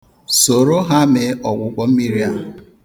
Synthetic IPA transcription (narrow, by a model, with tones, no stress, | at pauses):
so˨ɾo˦ɦa˦me˨ʔɔ˨ɡʷʊ˨kʷɔ˨m̩˦mi˦ɾi˦a˨